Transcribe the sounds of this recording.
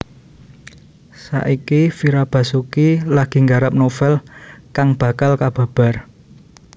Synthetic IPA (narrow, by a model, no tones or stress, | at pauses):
sa̰ʔikifiɾab̥ä̤sukilaɡ̥i̤ŋɡaɾap̚nofɛlkaŋb̥a̤kalkab̥ä̤b̥a̤r